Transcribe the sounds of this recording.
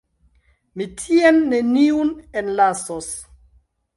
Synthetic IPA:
mitʰienːe̞niunenlasos

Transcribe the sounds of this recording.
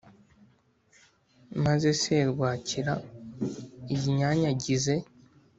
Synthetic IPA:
maze̞seɾɡwaːciɾa | iɟiɲaːɲaɟize̞

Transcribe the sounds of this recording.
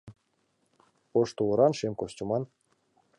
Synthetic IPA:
oʃt̪ulɤ̆ɾɑnʃemkosʲtʲumɑn

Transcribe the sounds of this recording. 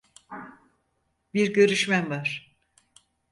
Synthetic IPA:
biɾɟø̞ɾyʃmænvaɾ̥

